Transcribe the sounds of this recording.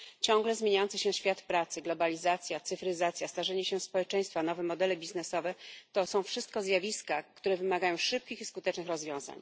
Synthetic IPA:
t͡ɕɔ̃ŋɡlɛzmʲjeɲajɔnt̪sɛɕɛɕfʲjat̪pɾat̪sɘɡlɔbalʲizat̪sʲjat̪sɘfɾɘzat̪sʲjast̪aʐɛɲɛɕɛspɔwɛt͡ʂɛj̃st̪fanɔvɛmɔd̪ɛlɛbʲiznɛsɔvɛt̪ɔsɔ̃w̃fʂɘst̪̚kɔzjavʲiskakt̪uɾɛvɘmaɡajɔ̃w̃ʂɘp̚kʲixiskut̪ɛt͡ʂnɘxɾɔzvʲjɔ̃w̃za̰ɲ

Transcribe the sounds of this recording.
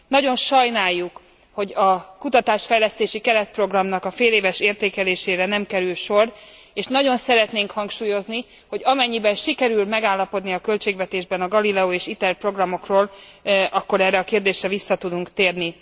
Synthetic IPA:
nɒɟo̞nʃɒjnaːjːuk | ho̞ɟɒkut̪ɒt̪aːʃfɛjlɛst̪eːʃikɛɾɛt̪̚pro̞ɡrɒmnɒkɒfeːleːvɛʃeːrt̪eːkɛleːʃeːɾɛnɛmkɛɾylʃo̞reːʃnɒɟo̞nsɛɾɛt̪neːŋkhɒŋkʃuːjo̞zni | ho̞ɟɒmɛɲːibɛnʃikɛɾylmɛɡaːlːɒpo̞d̪niɒkølt͡ʃeːɡvɛt̪eːʒbɛnɒɡɒlilɛoeːʃit̪ɛrpro̞ɡrɒmo̞kroːlɒkːo̞ɾɛːrːɛɒkeːrd̪eːʃrɛvisːɒt̪ud̪uŋkt̪eːrni

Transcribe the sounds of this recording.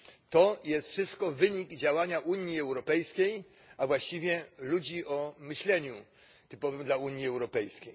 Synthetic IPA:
t̪ɔjɛst̪fʂɘst̪kɔvɘɲiɡd͡ʑawaɲaʔuɲiɛwɾɔpɛjskʲej | avwaɕt͡ɕivʲjɛlud͡ʑiʔɔmɘɕlɛɲu | t̪ɘpɔvɘmd̪lauɲjiɛwɾɔpɛjskʲej

